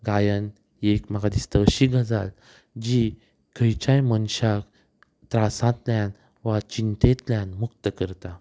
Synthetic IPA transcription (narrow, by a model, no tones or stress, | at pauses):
ɡajən | ekmaɡad̪ist̪əəɕiːɡʱəd͡zal | d͡ʑi | kʰəjt͡ɕajmənɕak | t̪ɾasãt̪ljãn | ʋat͡ɕint̪ẽt̪ljãnmuk̚t̪əkəɾt̪a